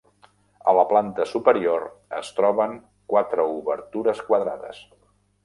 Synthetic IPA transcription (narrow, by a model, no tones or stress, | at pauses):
ələplant̪əsupəɾioɾə̰st̪ɾɔβəŋ | kwat̪ɾəuβəɾt̪uɾəskwaðɾaðə̰s